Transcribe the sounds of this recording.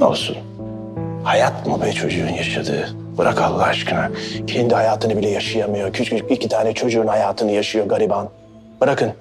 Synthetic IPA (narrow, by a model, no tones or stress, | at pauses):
no̰lˠsṵn | hajat̪mubɛt͡ʃʰo̞d͡ʒuunjaʃad̪ɯ̰ː | b̥ɯɾʔakʰalˠːaaʃkɯnacʰend̪ihajaːt̪ʰɯnɯbilʲɛjaʃajamɯjo̞cʰyt͡ʃyicʰit̪ʰaːnɛt͡ʃʰo̞d͡ʒuunhajaːt̪ʰɯnɯjaʃɯjo̞ɡaɾiban | b̥ɯɾakʰɯn